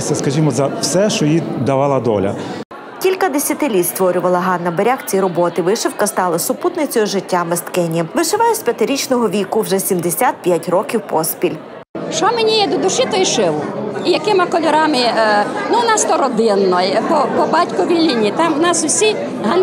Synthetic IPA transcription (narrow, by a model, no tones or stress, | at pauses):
sʲɐskɐʒʲimɔzɐwsɛʃɔjid̪ɐʋɑlˠɐd̪ɔ̰lʲɐ̰ | kʲilʲkɐd̪esʲɐt̪ɪlʲit̪st̪ʋɔɾʲʊʋɐlˠɐɦɑnːɐbeɾʲaxt͡sʲiɾɔbɔt̪ɪʋɪʃɪwkɐst̪ɑlˠɐsʊput̪nɪt͡sʲɔjʊʒɪtʲːamest̪kɛnʲiʋɪʃɪʋɑjʊsʲpʲjɐt̪ɪɾʲit͡ʃnɔɦɔʋʲikʊwʒɛsʲimd̪esʲat̪̚pʲjatʲrɔkʲiwpɔspʲilʲ | ʃɔmenʲijɛd̪ɔd̪ʊʃit̪ɔjʃɪʋʊijɐkɪmɪkɔlʲɔɾɑmɪnʊnɑst̪ɔɾɔd̪ɪnːɔjpɔpɔbɑtʲkʊʋʲilʲnʲinʲit̪ɑmwnɑsʊwsʲi | ɦɑn